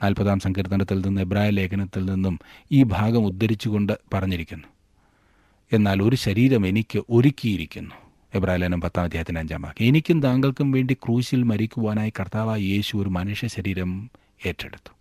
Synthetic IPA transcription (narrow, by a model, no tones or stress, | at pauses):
naːlpɐðaːmsɐŋkʰɐɾt̪ːɐŋɖɐt̪ːilninːuebraːjile̞ːkʰɐnɐt̪ːilninːumiːbʱaːɡɐmud̪ːɐɾit͡ɕːuɣo̞ɳɖɨpɐrɐɲːiɾikʲːunːu | e̞nːaːlo̞ɾuɕɐɾiːɾɐme̞nikʲːɨʔo̞ɾikʲːijiɾikʲːunːu | e̞braːjileːnumpɐt̪ːaːmɐd̪ʱjaːɦɐt̪ːinaːɲd͡ʑa̰ːma̰ːkːie̞nikʲːumd̪aːŋɡɐɭkumʋe̞ːɳɖikruːɕilmɐɾikʲːuʋaːnaːjikɐrt̪aːʋaːjje̞ːɕuo̞ɾumɐnuʂjɐɕɐɾiːɾɐm | e̞ːʈːḛɽut̪ːu̥